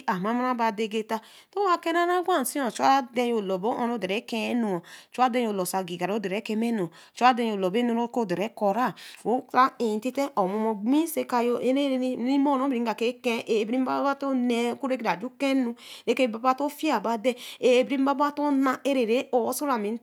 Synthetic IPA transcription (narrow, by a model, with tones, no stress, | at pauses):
a˨ma˦m˦a˦ba˨de˨ɡe˦ta˦ | to˦a˦ke˦na˦na˦ɡʷa˦˨si˦õ˨t͡ʃa˦de˦jo˨lɔ˨bo˦ʔõ˦no˦de˨e˨˦kɛ˦nu˨o˨t͡ʃu˦a˦dɛ˦jo˨lo˨sa˨ɡi˨ɡa˨ɾo˦de˨ɾe˨˦ke˦me˦nu˨t͡ʃu˦a˦dɛ˦jo˨lo˨be˦nu˦ɾo˦ko˦˨de˨ɾɛ˨˦ko˨ɾa˦˨o˦a˦e˨ti˦tɛ˦ʔɔ˨mo˨mo˨ɡ͡bi˦se˦ka˧˨jo˦e˦ɾe˦i˦mo˦˨no˦bɾi˨˦ɡa˨ke˦kɛ̃˦ʔe˨bɾi˦m˦ba˦bba˦to˦ne˨˦ku˦ɾe˦ki˦da˨d͡ʒu˦kɛ˦nu˦ɾe˦ke˦˨ba˨ba˦˨to˦fi˦a˨ba˨˦dɛ˦e˨bɾi˦m˦ba˦ba˦to˦na˨e˦ɾe˨ɾe˨˦o˨˦so˦ɾa˨mi˨n˦